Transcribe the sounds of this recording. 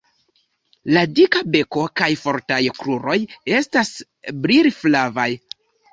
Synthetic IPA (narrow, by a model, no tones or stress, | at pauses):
ladikabe̞ko̞kajfo̞ɾtajkɾuɾo̞je̞stas | bɾiɾiflavaj